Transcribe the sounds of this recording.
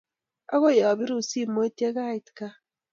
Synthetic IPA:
a˦ɣo˦ja˨wa˨βi˦ɾu˦˨si˦mo˦e˦te˦ɣa˦i˨tka˦

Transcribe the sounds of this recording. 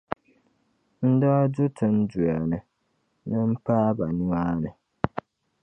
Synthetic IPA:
n̩˦dɔ˦du˦tʰɨ˦n̩˦du˨a˨nɨ˨ | nɨ˦m̩˦paː˦ba˨nu˦aː˦nɨ˨

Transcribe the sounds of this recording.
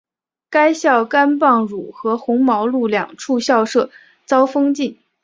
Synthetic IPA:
ka˥ɪɕjɑ˥˩ʊka˥npɑ˥˩ŋɻu˨˩xɤ˧˥xʊ˧˥ŋmɑ˧˥ʊlu˥˧ljɑ̰˥˨˩ŋʈ͡ʂʰu˥˧ɕjɑ˥˧ʊʂɤ˥˩ | t͡sɑ˥ʊfɤ˥ŋt͡ɕi˥˩n

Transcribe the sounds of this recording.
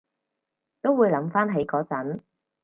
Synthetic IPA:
t̪o˥wu˨˧jlɐ˨˥mfaː˥nɦe˨˥jkɔː˨˧˥t͡sɐ˨˥n

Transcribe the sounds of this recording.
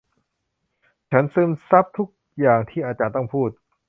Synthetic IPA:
t͡ɕʰa˦˥nsɯː˧˥msa˦˥p̚t̪ʰu˦˥k̚jaː˨˩ŋt̪ʰiː˥˩ʔaː˧t͡ɕaː˧nt̪ɔ˥˩ŋpʰuː˥˩t̪̚

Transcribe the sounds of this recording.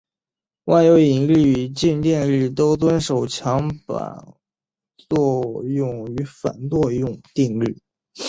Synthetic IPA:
wa˥˩ɪjo˧˥ʊi˨˩ŋli˥˩y˨˩t͡ɕi˥˧nt̪jɛ˥˧nly˥˩t̪o˥ʊt͡swə˥nʂo˨˩ʊt͡ɕʰjɑ˧˥ŋpa̰˨˩n | t͡swɔ˥˧jʊ˥˩ŋy˧˥fa̰˨˩nt̪wɔ˥˧jʊ˥˧ŋt̪i˥˧ŋly̰˥˩

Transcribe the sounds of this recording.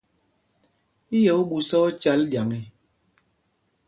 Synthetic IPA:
i˦jɔ˨o˦ɡu˨sɔ˦t͡ʃa˨˦ldja˨ŋi˨

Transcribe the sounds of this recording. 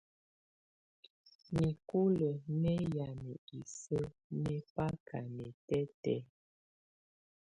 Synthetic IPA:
mi˨ku˦lə˨nɛ˦ja˨me˨i˨sə˦nɛ˦pa˦kʰa̰˨nɛ˨tɛ˦tɛ˦

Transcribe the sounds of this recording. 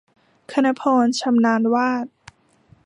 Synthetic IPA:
kʰa˧na˧˥pʰɔː˧nt͡ɕʰa˧mnaː˧nwaː˥˩t̪̚

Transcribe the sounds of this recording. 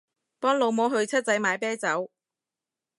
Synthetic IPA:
pɔː˥ŋlo˨˧wmɔː˨˥ɦɵ˨˧ɥt͡sʰɐ˥t̚t͡sɐ˨˥jmaː˨˧jpɛː˥t͡sɐ˨˥w

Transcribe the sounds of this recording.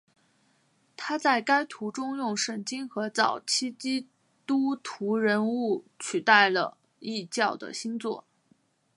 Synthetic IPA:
t̪ʰa˥t͡sa˥˩ɪka˥ɪt̪ʰu˧˥ʈ͡ʂʊ˥ŋjʊ˥˩ŋʂə˥˩nt͡ɕi˥nxɤ˧˥t͡sɑ˨˩ʊt͡ɕʰi˥t͡ɕi˥ | t̪u˥t̪ʰu˧˥ɻə˧˥nu˥˩t͡ɕʰy˨˩t̪a˥˩ɪlə̰˩ | i˥˧t͡ɕjɑ˥˩ʊd̪ə̰˩ɕi˥nt͡swɔ˥˩

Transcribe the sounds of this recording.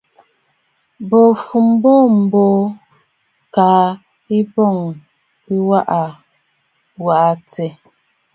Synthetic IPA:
bo˨fu˨m˦bo˦˨m̩˨bo˦ | kaː˨˦ | i˦bɔ˦˨ŋ | i˦wa˦ʔa˨ | wa˨ʔa˨t͡sɛ˨

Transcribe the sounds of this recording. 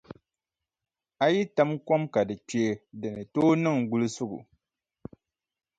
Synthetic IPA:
a˦ji˦ta˦mkɔ˦mka˨dɨ˨t͡ʃe˨˦dɨ˨nɨ˨toː˦nɨ˦˨ŋɡu˦lɨ˦sʊ˦ɡʊ̰˨

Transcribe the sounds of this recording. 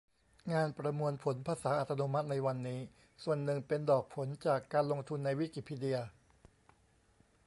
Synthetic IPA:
ŋaː˧npɾa˧mu˧ənpʰo˩˦npʰaː˧saː˩˦˥ʔa˨t̪ʰːa˧noː˧ma˦˥t̪̚na˧jwa˧nːiː˦˥ | su˨˩ənːɯ˨˩ŋpe˧ndɔː˨˩k̚pʰo˩˦nt͡ɕaː˨˩kːaː˧nlo˧ŋt̪ʰu˧nːa˧jwi˦˥ki˨˩pʰiː˧di˧ə

